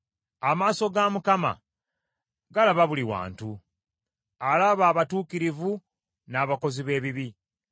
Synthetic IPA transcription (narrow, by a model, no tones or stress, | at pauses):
amaːso̞ɡamukama̰ | ɡalaβaβuliwa̰ːntu | alaβaːβatuːkiɾivu | naːβako̞ziβe̞ːβiβi